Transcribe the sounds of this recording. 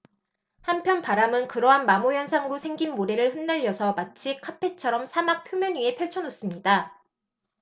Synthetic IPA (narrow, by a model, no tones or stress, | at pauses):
hampʰjʌnpaɾamɯnkɯɾʌɦanmamojʌnsʰaŋɯɾosʰe̞ŋɡinmoɾeɾɯɭɸɯnːaʎːʌsʰʌmat͡ɕʰikʰapʰe̞t͡ɕʰʌɾʌmsʰamak̚pʰjomjʌɲɥie̞pʰjʌɭt͡ɕʰʌnos͈ɯmɲida